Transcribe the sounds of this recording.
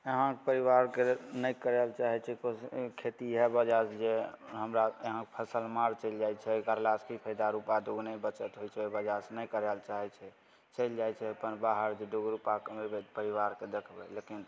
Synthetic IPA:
əɦãkpəɾiʋaɾkenəjkəɾɛlt͡ʃaɦɛt͡ʃʰɛkokʰet̪iɦɛbəd͡ʒasd͡ʒeɦəmɾaəɦãkepʰəsəlmaɾt͡ʃəɪld͡ʒajt͡ʃʰɛɡaɾlaskipʰəjd̪aɾupad̪uɡnəbət͡ʃət̪ɦojt͡ʃʰɛebəd͡ʒasnəjkəɾɛlt͡ʃaɦɛt͡ʃʰɛ | t͡ʃəld͡ʒajt͡ʃʰɛpənbaɦəɾd͡ʒed̪uɡɾupakəmebepəɾiʋaɾked̪ekʰbɛlekin

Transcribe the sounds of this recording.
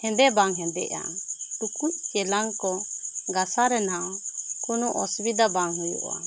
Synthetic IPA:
hɛ̃nd̪ɛbaŋɦɛ̃nd̪ɛ̰ʔa̰ʈukuc̚t͡ʃɛlaŋkɔɡasaɾɛnaɔkunɔʔɔsbid̪abaŋɦujṵʔa̰

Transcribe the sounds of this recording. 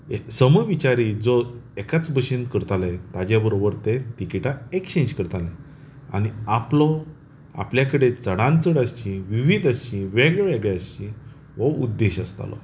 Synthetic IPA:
esəməʋit͡ɕaɾid͡zɔekat͡sbʱəɕinkəɾt̪alɛt̪ad͡ʑjabəɾobəɾt̪et̪ikiʈaekt͡ɕẽɲd͡ʑkəɾt̪alɛ̃ | a̰ñiaplɔ | a̰pljakəɽet͡səɽãnt͡səɽast͡ɕĩʋiʋid̪aɕt͡ɕĩʋeɡɭɛʋeɡɭjaɕt͡ɕĩ | ʋəud̪ːeɕəst̪a̰lɔ̰

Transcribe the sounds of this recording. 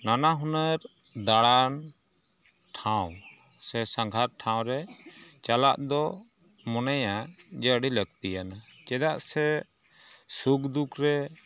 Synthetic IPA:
nanaɦunəɾ | d̪aɽan | ʈʰãw | sɛsãŋɡʱaɾ̚ʈʰãw̃ɾɛt͡ʃalaʔd̪ɔ | mɔnajad͡ʒəɖiləɡt̪ijana | t͡ʃɛd̪aʔsɛ | sukd̪ukɾɛ

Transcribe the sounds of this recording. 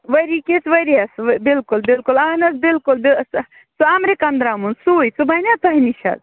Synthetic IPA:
ʋɐɾikisʋɐɾiɐsʋbilkulbilkulɐnɐsbilkulbis | suamɾekɐnd̪ɾamunsujt͡subɐnʲat̪ɐɦiniʃʰɐ̰z

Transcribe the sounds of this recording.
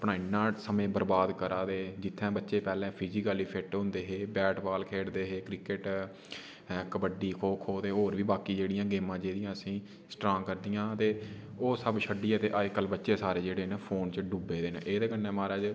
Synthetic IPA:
əpɽɳaːinãːsəmẽːbəɾbaːd̪kəɾaːd̪eːd͡ʒɪt̪ʰːɛ̃ːbətːʃeːpɛːlɛ̃ːpʰiːd͡ʒikəːliːpʰɪʈɦõnd̪eːɦeːbɛːʈbaːlkʰeːɽd̪eːɦeːkɾɪkəʈː | kəbəɖiːkʰoːkʰoːt̪eːɦoːɾʋiːbaːkiːd͡ʒeːɽɪjãːɡeːmãːd͡ʒeːɾɪjãːəsĩː | sʈɾãːŋkəɾd̪ijãːt̪eːoːsəbʃəɖiːɛːt̪eːʔaːkəlbətːʃeːsaːɾeːd͡ʒeːɽeːnepʰoːnt͡ʃɖuːbeːd̪eːnḛʔeːd̪eːkənːɛ̃ːmaːɾɛːd͡ʒ

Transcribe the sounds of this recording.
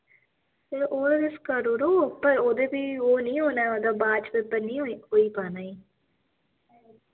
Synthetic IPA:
seʔoːd̪ed̪ɪskəɾoːɾoːpəɾoːd̪eːpiːoːnĩːɦoːnɛːoːd̪aːbaːt͡ʃpeːpəɾnĩːɦoːiːpaːnaːiː

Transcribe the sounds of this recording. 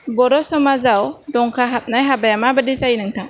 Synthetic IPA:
bɔɾɔsɔmazawdɔŋkʰaɦat̪̚najɦabajamabədisajinəŋtʰaŋ

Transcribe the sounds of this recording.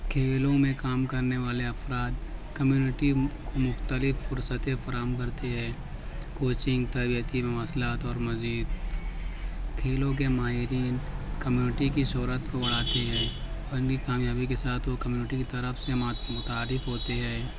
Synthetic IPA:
kʰeːlõmẽkaːmkɐɾneʋaːleɐfɾaːd̪kɐmjuːnɪʈikomʊxt̪əlɪfːʊɾsət̪ẽfɐɾaːɦəmkɐɾt̪eɦɛ̃ː | koːt͡ʃɪ̃ŋɡt̪ɐːbijət̪imẽʋaːslaːt̪ɔːɾmɐziːd̪̚ | kʰeːlõk̬emaːɦɪɾiːnkɐmjuːnɪʈikiʃoːɾət̪kobɐɽ̤aːt̪eɦɛ̃ː | ɔːɾɪnkikaːmjaːbikesaːt̪ʰokɐmjuːnɪʈikit̪ɐɾəfsemmʊt̪aːɾɪfɦoːt̪eɦɛ̃ː

